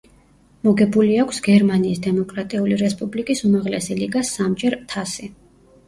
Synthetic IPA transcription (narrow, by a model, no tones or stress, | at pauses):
mɔɡɛbuliakʷʰsɡɛɾmaniːsd̪ɛmɔkʼɾat̪ʼiuliɾɛspʼublikʼisumaʁlɛsiliɡasːamd͡ʒɛɾt̪ʰasi